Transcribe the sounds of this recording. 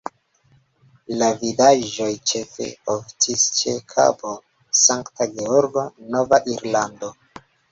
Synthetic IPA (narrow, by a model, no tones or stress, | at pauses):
lavidaʒo̞jt͡ʃe̞fe̞̰oftʰist͡ʃekʰa̰bo | saŋktaɡeoɾɡo̞no̞vaʔiɾlando̞